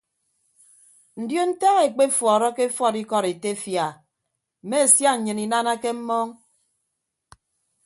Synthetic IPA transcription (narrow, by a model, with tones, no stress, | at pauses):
n̩˨djo˦n̩˦ta˦ɣe˨k͡pe˦fwɔː˨ɾɔ˦ke˦fɔ˦˨ɾi˦kɔ˦ɾe˨te˦fja˨ | m̩˨me˦e˨sja˦ɲ̩˨ɲɨ˨ni˨na˦na˦ke˦m̩˦mɔ˦ŋ